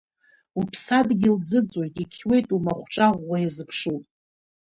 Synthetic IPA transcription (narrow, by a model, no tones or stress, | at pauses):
upʰsadɡʲild͡zɨd͡zʼojtʼikʲʰwe̞jtʼumaχʷʈ͡ʂʼaʁʷajazɨpʰʂutʼ